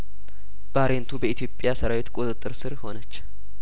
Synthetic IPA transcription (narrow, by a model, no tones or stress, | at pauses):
b̥aɾent̪ʰubəit̪ʰjo̞pʼːjasəɾawet̪kʼut̪ʼɨt̪ʼːɨɾsɨɾho̞nət͡ʃː